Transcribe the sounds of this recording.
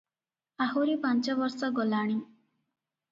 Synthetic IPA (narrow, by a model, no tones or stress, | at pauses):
aɦuɾipãnt͡ʃɔbɔɾsɔɡɔlaɽ̃i